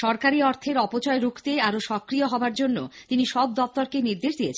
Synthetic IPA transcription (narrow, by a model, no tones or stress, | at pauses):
ʃɔɾkaɾiɔɾt̪ʰeɾɔpot͡ɕɔeɾukʰt̪eaɾoʃɔkɾijoɦɔbaɾd͡ʑonːo̰t̪iniʃɔb̚d̪ɔft̪ɔɾkeniɾd̪eʃd̪ijet͡ɕʰ